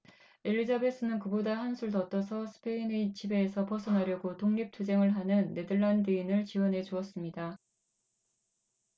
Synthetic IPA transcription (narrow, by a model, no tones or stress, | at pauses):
eʎːid͡ʑabe̞s͈ɯnɯnkɯbodahansʰuɭtʌt͈ʌsʰʌsʰɯ̥pʰe̞ineit͡ɕʰibe̞ːsʰʌpʌsʰʌnaɾjʌɡotoŋɲip̚tʰod͡ʑe̞ŋɯɭɦanɯnːe̞dɯɭːandɯinɯɭt͡ɕiwʌnɦe̞t͡ɕuʌs͈ɯmɲida